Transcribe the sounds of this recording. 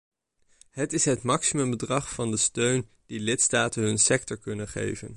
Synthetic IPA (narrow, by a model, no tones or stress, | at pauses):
ɦətɪsɦətmɑksimɵmbədrɑχfɑndəstøɥn | d̥ilɪtstaːtənɦɵnsɛk̚tɔɹkɵnənχḛjvə̰n